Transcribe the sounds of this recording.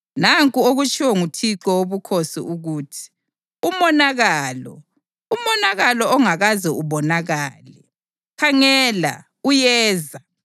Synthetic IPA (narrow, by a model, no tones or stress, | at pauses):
naŋkʼuoɣut͡ʃʰʼiwɛŋutʰiǁɔwoβukʰosḭʔuɣuːtʰi̥ | umɔnaɣaːlɔ | umɔnaɣalɔɔŋaɣazɛuβɔnaɣalɛ | kʰaŋɛːla̰ | ujɛːza